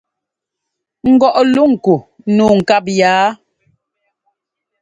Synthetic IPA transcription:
ŋ̩˦ɡɔ˦ʔlu˦ŋ̩˨ku˨˦ | nuː˨ŋ̩˨ka˦˨p̬̚jaː˨˦

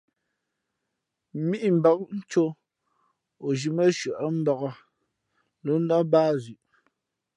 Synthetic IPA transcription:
mi˦ʔm̩˨bɔ˨˦k̚n̩˦t͡ʃo˦ | o˨ʒi˨mə˦ʃə˨ʔə˦m̩˦bɔ˨ɣɔ˦ | lo˨˦n̩˦dɔ˦baː˦zi˨ʔ

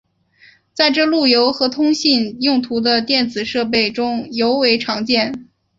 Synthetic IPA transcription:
t͡sa˥˧ɪʈ͡ʂɤ˥˧lu˥˩jo˧˥ʊxɤ˧˥t̪ʰʊ˥ŋɕi˥˧njʊ˥˩ŋt̪ʰu˧˥d̪ə˧t̪jɛ˥˩nt͡sɹ̩˨˩ʂɤ˥˧p̬e˥˩ɪʈ͡ʂʊ˥ŋjo˧˥ʊwe˧˥ɪʈ͡ʂʰɑ˧˥ŋt͡ɕjɛ˥˩n

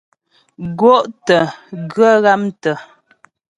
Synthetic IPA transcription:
ɡwo˦ʔtə˨ɡɰə˦ɣa˦mtə˨

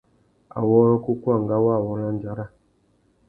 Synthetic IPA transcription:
a̰˨wɔ˦ɾɔ˦ku˦ku˦a˦˨ŋɡa˦wa˦˨wɔ˦ɾa˦n˦d͡ʒa˨˦ɾa˦˨

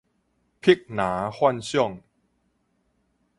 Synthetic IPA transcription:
pʰi˦˥k̚naː˩˦xwa˥˨nsu˥˩˨ŋ

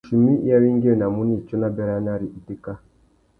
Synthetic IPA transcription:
ʃi˨mi˦ja˦wi˦ŋɡi˦ɛ˨na˨mu˦ni˦˨t͡ʃɔ˦na˦bɛ˦ɾa˦na˦˨ɾi˨ʔi˨ti˦ka˦

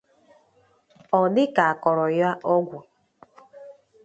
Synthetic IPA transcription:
ɔ˨dɪ˦ka˨a˨kɔ˨ɾɔ˨ja˦ʔɔ˦ɡʷu˨

